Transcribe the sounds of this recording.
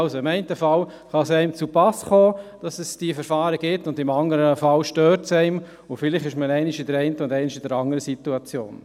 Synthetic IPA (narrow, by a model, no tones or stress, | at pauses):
ɑlsoɪmɛɪntəfɑl | χɑsɛɪmt͡supɑsχɔːd̥ɑsɛsd̥ifɛɾfɑːɾəɡɪtʊndɪmɑŋəɾəfɑlʃtøːɾtsɛɪm | ʊfɪlɪχɪʃməɛɪnɪʃɪdəɾɛɪntəʊndɛɪnɪʃɪdəɾɑŋəɾəsituɑt͡sjo̰ːn